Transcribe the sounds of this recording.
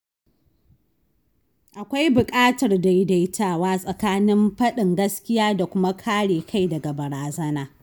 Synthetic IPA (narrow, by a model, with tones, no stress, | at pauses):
ʔa˨kʷa˦jbʊ˨kʼaː˦tɐ˨rda˨ji˦da˨jtʰaː˦˨waː˦sʼɐ˨kaː˦nɪ˦mɸɐ˦ɗɪ˨ŋɡɐ˦skʲɪ˦jaː˦da˨kʷʊ˦ma˦kʰaː˦ɽeː˨kʰa˦˨jdɐ˨ɡa˨bɐ˨ɾaː˨zɐ˦naː˨